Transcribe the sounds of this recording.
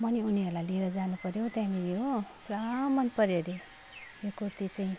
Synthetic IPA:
mʌniuniʌɾulajlieɾʌd͡zanupʌɾjõw̃t̪ãmijopramʌnpʌɾjoɾje | jokurt̪it͡saĩ

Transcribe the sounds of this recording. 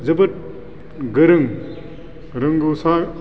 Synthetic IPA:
zɐbɐt̚ | ɡɯɾɯŋ | ɾɯŋɡusa

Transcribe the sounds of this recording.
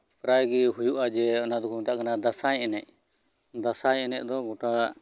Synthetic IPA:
pɾajɡiɦujuʔad͡ʒɛɔnad̪ɔkʰuɔt̪aʔkanad̪asajɛnɛʔ | d̪asajɛnɛʔ̚d̪ɔɡɔʈa

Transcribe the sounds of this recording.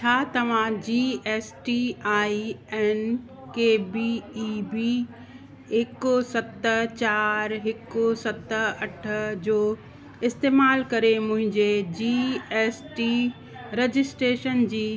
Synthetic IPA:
t͡ɕʰaːt̪ɐʋ̤ãd͡ʑiːeːsʈiaːiɛːn | keːbiibi | ɪkʊsɐt̪ət͡ɕaːɾɦɪkʊsɐt̪əɐʈʰə̆d͡ʑoː | ɪst̪eːmaːlkɐɾemʊ̃ɦɪ̃ɲd͡ʑed͡ʑiːeːsʈi | ɾed͡ʑɪsʈɾeːʃənd͡ʑiː

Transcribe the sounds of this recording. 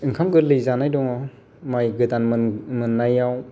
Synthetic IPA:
ɯŋkʰamɡɯlɯjzanajdɔŋa | majɡɯdanmmɯnːajaw

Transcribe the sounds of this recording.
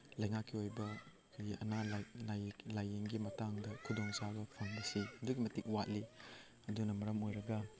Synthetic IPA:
lɐjŋakːiojbɐ | iɐ̰nalalajlajiŋɡimɐtaŋdɐkʰudoŋsabɐpʰɐŋbɐsihɐduɡimɐtik̚wat̚li | ɐdunɐmɐɾɐmojɾɐɡɐ

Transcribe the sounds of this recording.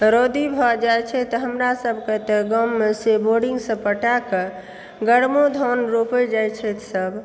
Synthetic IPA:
ɾod̪ibʱɔd͡ʒajt͡ʃʰɛt̪ɔɦəmɾasəbʱket̪əɡəmːeseboɾɖiŋɡsə̃pəʈakə | ɡəɽmod̪ʱɔnɾopəd͡ʒajt͡ʃʰɛt̪səbʱ

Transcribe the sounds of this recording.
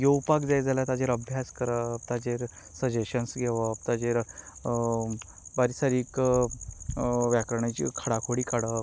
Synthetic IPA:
joupakd͡zajd͡zaljat̪ad͡ʑeɾəbʱjaskəɾəp̚t̪ad͡ʑeɾ | səd͡ʑeɕənsɡʱeʋəp̚t̪ad͡ʑeɾ | baɾisaɾiːk | ʋjakɾəɳ̃at͡ɕḭkʰəɽakʰoɽiːkaɽə

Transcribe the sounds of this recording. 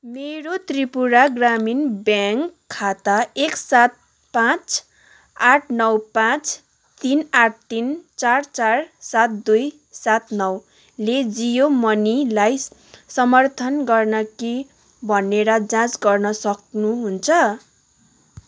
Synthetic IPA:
meɾot̪ripuɾaɡraminbjaŋkʰːat̪aeksat̪̚ | pãt͡s | aʈʰnʌwpãt͡s | t̪inaʈ̚ʰt̪int͡sart͡sarsat̪̚d̪uj | sat̪nʌw | led͡zijomʌnilajsʌmʌrt̪ʰʌnɡʌrnʌki | bʱʌneɾʌd͡zãt͡sɡʌrnʌsʌk̚nuɦunt͡sʰʌ

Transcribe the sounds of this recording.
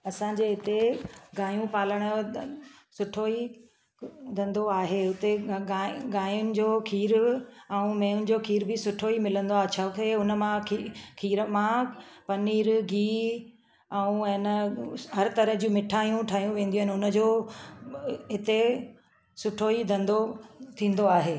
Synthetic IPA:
ɐsãd͡ʑeːɦɪt̪eɡaːjũpaːləɽ̃ʊ | sʊʈʰoːi | d̪ʱɐ̃nd̪oaːɦeːʊt̪eaɡaːjʊnɪ̆d͡ʑoːkʰiːɾaũmẽːʊnɪ̆d͡ʑoːkʰiːɾbɪsʊʈʰoimɪlə̃nd̪oaːɦt͡ɕʰakʰeʊnə̆mãkʰkʰiːɾəmãpɐniːɾɡiː | ɛũnəɦɐɾt̪ɐɾəɦd͡ʑũːmɪʈʰaːijũʈʰaːɦjũʋẽːnd̪iũənʊnə̆d͡ʑoː | ɦɪt̪e | sʊʈʰoid̪ɐ̃nd̪ot̪ʰĩːn̆d̪oaːɦeː

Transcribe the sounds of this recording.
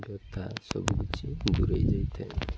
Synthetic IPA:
ɡɔt̪ʰasɔ̰bubit͡ʃid̪uɾəjd͡ʒajt̪ʰɛ

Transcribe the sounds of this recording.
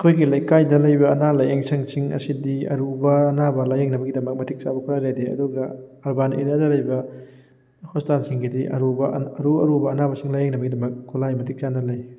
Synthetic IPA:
ɐkʰojɡilɐjkajdɐlɐjbɐɐnalɐjeŋsʰɐŋsiŋɐ̰sidiɐ̰ɾubɐːnabɐlajeŋnɐbɐɡidɐmɐk̚mɐtʰik̚t͡ʃabɐkʰuɾajɾadeɐ̰duɡɐɐɾbanḛɾadɐlɐjbɐ | hostansiŋɡidiʔɐ̰ɾubɐɐɾuɐɾubɐːnabɐsiŋlajeŋnɐbɐɡidɐmɐk̚kulajmɐtʰik̚t͡ʃanɐlɐj

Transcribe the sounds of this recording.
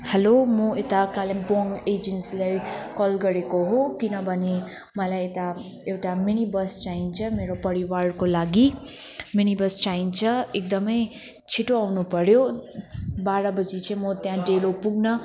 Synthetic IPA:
hʌlomʌet̪akalemboŋed͡ʒensilajkɔlɡʌɾekoɦokinʌbʱʌne | mʌlajet̪a | ewʈaminibʌst͡ʃaint͡sʰʌmeɾopʌɾiwarkolaɡiminibʌst͡saint͡sʰʌek̚d̪ʌmʌj | t͡sʰiʈoawnupʌɾjo | baɾʌbʌd͡zit͡sʰʌ̃jmʌt̪jãɖelopuɡnʌ

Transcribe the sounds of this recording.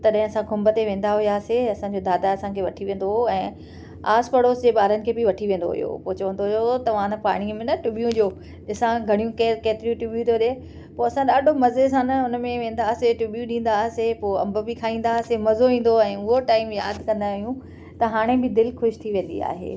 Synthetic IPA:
t̪ɐɗɦɪ̃ɐsãɡʱʊmbət̪eʋẽːnd̪aɦʊjaːseɐsãːɲd͡ʑoːd̪aːd̪aɐsãkʰeːʋɐʈʰiʋẽːn̆d̪ooɛ̃ː | aːspɐɽoːsd͡ʑeːɓaːɾənɪ̆kʰeːbɪʋɐʈʰiʋẽːnd̪o̰ɦʊ̰jo̰ːpoːt͡ɕɐʋə̃nd̪oot̪ɐʋãːnpa̰ːɽ̃imẽnɐʈʊɓijũʄoː | ɗɪsãɡʱɐɽ̃ijũkekeːt̪ɪɾijũʈʊɓjũt̪oɗe | poːɐsãɗaːɖʱomɐzesãːnɐʊnmẽʋẽːnd̪aːseʈʊɓjũɗĩːn̆d̪aːɦsepoːɐ̰̃mbə̆bɪkʰaːĩːnd̪aːsemɐzoʋĩːn̆d̪oɛ̃ːʊɦoʈaːɪmjaːd̪ʱkɐ̃nd̪aɦijũ | t̪ɐɦaːɽ̃ebɪd̪ɪlxʊʃt̪ʰiʋẽːnd̪ḭa̰ːɦḛː

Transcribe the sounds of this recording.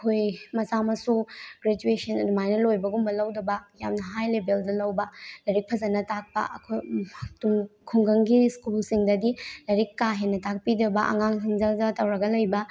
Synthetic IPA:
ɐkʰojmɐsamɐsuɡɾed͡ʒuesɐnɐdumajnɐlojbɐɡumbɐlɐwdɐbɐjamnɐɦajlebeldɐlɐwbɐlɐɾik̚pʰɐzɐnɐtak̚pɐ̰ʔɐ̰kʰojtumkʰuŋɡɐŋɡiskulsiŋdɐdilɐɾikːaɦenːɐtʰak̚pidɐbɐʔɐ̰ŋaŋsiŋzɐlzɐtɐwɾɐɡɐlɐjbɐ

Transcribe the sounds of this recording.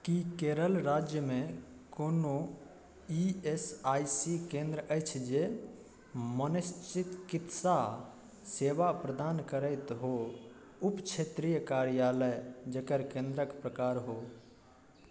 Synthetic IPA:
kikeɾəlɾad͡ʒjəmẽ | kono | iesajsikẽnd̪ɾəʔəɪt͡ʃʰd͡ʒe | mənəst͡ʃit̪kit̪sa | seʋapɾəd̪ankəɾəɪt̪ɦo | upt͡ʃʰet̪ɾijəkaɾijaləjd͡ʒəkəɾkẽnd̪ɾəkpɾəkaɾɦo

